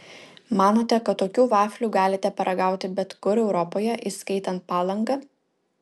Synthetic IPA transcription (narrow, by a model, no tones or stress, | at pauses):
mɑːnoːt̪ʲɛkɐt̪ːoːkʲuːʋɑːfʲlʲuːɡɑːlʲɪt̪ʲɛpɐɾʔɐɡɑˑʊt̪ʲɪbʲɛt̪kʊɾɛʊɾɔpoːjɛʔɪskɐɪt̪ɐnt̪̚pɑːlˠɐŋɡɐ